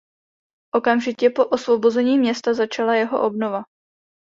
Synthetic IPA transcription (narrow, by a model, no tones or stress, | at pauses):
ʔo̞kamʒɪcɛpo̞ʔosvo̞bo̞zɛɲiːmɲɛst̪azat͡ʃalajɛɦo̞̰ʔo̞bno̞va